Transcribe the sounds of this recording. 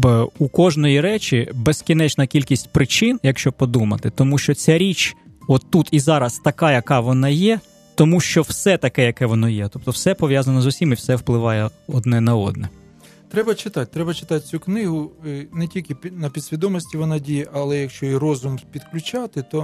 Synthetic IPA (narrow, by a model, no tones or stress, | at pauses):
ukɔʒnɔjiɾɛt͡ʃʲibɛskʲinɛt͡ʃnɐkʲilʲkʲisʲtʲpɾɪt͡ʃɪnjɐkʃt͡ʃɔb̚pɔd̪umɐ̰t̪ɪt̪ɔmuʃt͡ʃɔt͡sʲaɾʲit͡ʃɔt̪ːut̪izɑɾɐst̪ɐkɑjɐkɑʋɔnɑjɛ | t̪ɔmuʃt͡ʃɔwsɛt̪ɐkɛjɐkɛʋɔnɔjɛt̪ɔp̚t̪ɔwsɛpɔʋʲjazɐnɔzusʲimiwsɛwplˠɪʋɑjɛɔd̪nɛnɐɔ̰d̪̚nɛ | t̪ɾɛbɐt͡ʃɪt̪ɑt̚ʲt̪ɾɛbɐt͡ʃɪ̥t̪ɑt̚ʲt͡sʲuknɪɦʊnɛtʲilʲkɪpʲnɐpʲid̪sʲʋʲid̪ɔmɔsʲtʲiʋɔnɑdʲijɛʔɐlˠɛjɐkʃt͡ʃɔirɔzʊmpʲid̪klʲʊt͡ʃɑt̪ɪt̪ɔ